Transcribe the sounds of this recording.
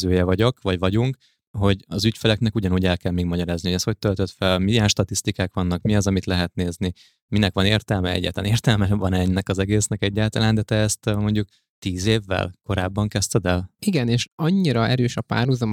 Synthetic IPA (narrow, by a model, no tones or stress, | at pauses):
øːjɛvɒɟo̞kʋɒɟvɒɟuŋk | ɦo̞ɟɒzycfɛlɛknɛkuɟɒnuːɟɛlkɛlmeːɡmɒɟɒɾaːzniho̞ɟɛsho̞c̚t̪ølt̪øt̪fɛlmiɛʃt̪ɒt̪ist̪ikaːkʋɒnːɒkmiɒzɒmit̪lɛɦɛt̪neːzni | minɛkʋɒneːrt̪ɛlmɛɛ̰ɟːa̰ːt̪la̰ːneːrt̪ɛlmɛvɒnɛnːɛkɒzɛɡeːsnɛkɛɟːaːlt̪ɒlaːnd̪ɛt̪ɛːst̪mo̞ɲɟuk | t̪iːzeːvːɛ̰lko̞ɾaːbːɒŋkɛst̪ɛd̪ɛliɡɛneːʃɒɲːiɾɒɛɾøːʃɒpa̰ːrhuzɒm